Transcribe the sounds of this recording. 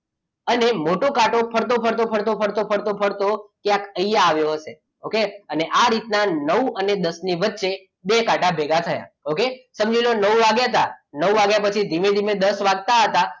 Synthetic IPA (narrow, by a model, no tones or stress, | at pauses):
ənemoʈokaʈopʰəɾt̪opʰəɾt̪opʰəɾt̪opʰəɾt̪opʰəɽɾt̪opʰəɽt̪okjãkəijaːʋjoɦəʃe | okeəneʔaɾit̪nanəʋwəned̪əsniʋətːʃe | bekaʈabʱeɡat̪ʰəja̰okesəmd͡ʒilonəwʋaɡjat̪anəwʋaɡjapət͡ʃʰid̪ʱimed̪ʱimed̪əsʋaɡ̚t̪aɦət̪a